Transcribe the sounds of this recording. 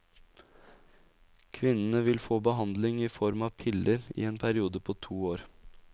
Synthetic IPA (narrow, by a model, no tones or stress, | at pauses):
kʰʋɪnənəʋɪlfoːbəɦɑnd̪lɪŋiːfɔɾmɑːpʰɪlʔəɾḭːeːnpʰæɾɪuːd̪əpʰoːt̪ʰuːoːɾ